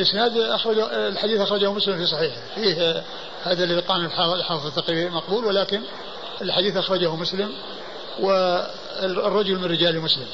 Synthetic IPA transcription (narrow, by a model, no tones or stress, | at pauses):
lʔɪsnaːd̪ʔaxɾˤɑd͡ʒalħad̪iːθʔaxɾˤɑd͡ʒahmʊslɪmfiːsˤɑħiːħ | fiːh | haːðalːaðiqɑːnɪlħɑlħɑːfðˤɨt̪ːɑqiːbimɑqbuːlwɪlaːkɪn | ɪlħad̪iːθʔaxɾˤɑd͡ʒahʊmʊslɪm | wɪ | rˤːɑd͡ʒʊlmɪnrɪd͡ʒaːlimʊslɪm